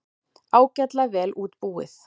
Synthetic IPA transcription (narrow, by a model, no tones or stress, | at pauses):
aːwcat̪lavɛːlʔuːt̪puːɪ̰θ